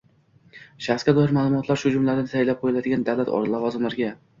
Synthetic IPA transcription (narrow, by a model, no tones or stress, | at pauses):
ʃaχsɡʲad̪ɒɪɾmaːlˠʊmɒt̪ʰlaɾʃʊd͡ʒʊmlad̪anɪsʰajlap̚qʰojɪlad̪ɪɡʲand̪awlat̪ɒ̰ɾlavɒzɨmlaɾɡʲa